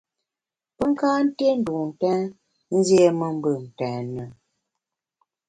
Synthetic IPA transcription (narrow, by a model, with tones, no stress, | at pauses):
pə˦ŋ˦kaː˦n̩˦te˦n̩˨du˨n̩˨tɛ̃ː˦ | n̩˦zje˦mə˦m̩˦bə˨n̩˨tɛ̃ː˨nə˨